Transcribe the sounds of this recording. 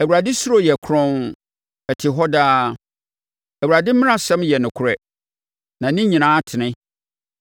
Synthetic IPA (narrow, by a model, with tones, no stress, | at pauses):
æ˨wu˨ɾa˨dɪ˦su˦ɾo˦˨jɛ˨kʰɾɔ̃˦n | ɛ˨tʰɪ˨ɦɔ˦daː˦ | æ˨wu˨ɾa˨dɪ˦mɪ̃˦ã˦˨sɛ̃˦mjɛ˨nʊ̃˨kʰʊ˨ɾɛ˦ | nã˨nɪ̃˦ɲĩ˨nãː˦tʰɪ˨nɪ̃˦